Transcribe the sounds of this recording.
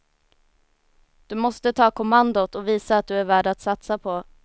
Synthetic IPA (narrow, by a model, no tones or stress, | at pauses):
d̪̥ɵmɔst̪ət̪ʰɑːkʰʊmand̪ʊt̪ɔviːsaːt̪̚d̪ɵæɾvæːɖat̪sat̪sapʰɔ